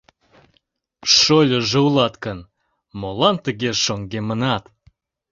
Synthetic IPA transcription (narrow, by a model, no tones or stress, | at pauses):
ʃolʲoʒə̆wlˠɑt̪kən | molˠɑnt̪əɣʲeʃoŋɡʲemənɑt̪